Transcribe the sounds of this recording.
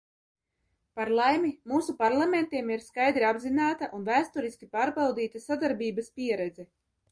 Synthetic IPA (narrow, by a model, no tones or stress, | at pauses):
paɾlˠajmimuːsupaɾlˠament̪iɛmiɾskajd̪ɾiabzinaːt̪aʔunvæːst̪uɾiskʲipaːɾbawd̪iːt̪asad̪aɾbiːbaspiɛɾɛd̪zɛ